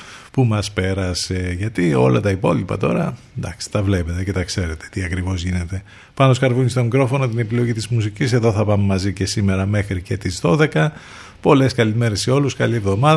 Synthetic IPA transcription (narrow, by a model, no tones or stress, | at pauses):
pumɐspe̞ɾɐseʝɐt̪io̞̰lɐ̰t̪ɐipo̞lipɐ̰t̪o̞ɾɐ | nd̪ɐksi̥t̪ɐvle̞pe̞t̪ece̞t̪ɐkse̞ɾe̞t̪e̥t̪iɐkɾivo̞zʝine̞t̪e̞ | pɐnoskɐɾvunist̪o̞mikɾo̞fo̞not̪ine̞pilo̞ʝit̪izmusicise̞ðo̞θɐpɐmemɐzice̞sime̞ɾɐme̞xɾice̞t̪izðo̞ðe̞kɐ | po̞le̞skɐlime̞ɾe̞seo̞luskɐlievðo̞mɐ